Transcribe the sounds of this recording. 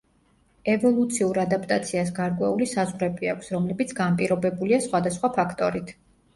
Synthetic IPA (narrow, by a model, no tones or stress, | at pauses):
ɛvɔlˠut̪sʰiuɾad̪apʼt̪ʼat̪sʰiasɡaɾkʼwɛulisazʁɾɛbiakʷʰsɾɔmlɛbit̪sʰɡanpʼiɾɔbɛbuliasχwad̪asχwapʰakʰt̪ʼɔɾit̪ʰ